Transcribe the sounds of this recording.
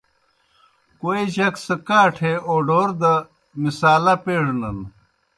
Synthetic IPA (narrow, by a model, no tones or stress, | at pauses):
koːiʑɐksɐkaːʈʰeoːɖoːɾd̪ɐ | misaːlapeːɽnɐn